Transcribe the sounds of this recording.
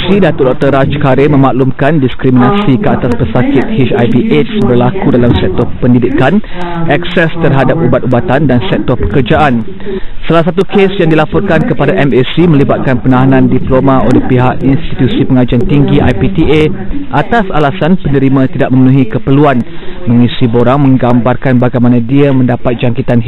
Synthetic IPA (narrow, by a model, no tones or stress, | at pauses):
sidat̪ʊrdɔk̚t̪əɾat͡ʃkaɾemə̃maʔlumkandiskɾiminãsikəat̪aspəsakɪt̪̚het͡ʃajviʔetsbərlakudalamsɛk̚t̪ɔpəndidɪkanʔɛksɛst̪ərɦadap̚ubat̪̚ubat̪andansɛk̚t̪ɔrpəkərd͡ʒaʔan | salas̬at̪ukesjaŋdilapɔrkankəpadaʔɛmesimə̃libat̪̚kanpənaɦanãndiplomãolehpiɦaʔinst̪it̪usipəŋad͡ʒant̪iŋɡiʔa̰jpit̪ieʔat̪asalasanpənə̃ɾimãt̪idaʔ̚mə̃mənũɦikəpərluanmə̃ŋisiboɾaŋmə̃ŋɡambarkanbaɡajmanãdiamə̃ndapat̪̚d͡ʒaŋkit̪an